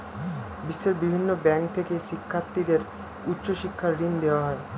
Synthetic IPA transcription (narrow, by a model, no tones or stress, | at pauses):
bisːeɾbibʱinːobɛ̃ŋk̚t̪ʰekesikʰːat̪ːid̪eɾ | utːʃoʃikʰːaɾɾind̪eʋaɦɔe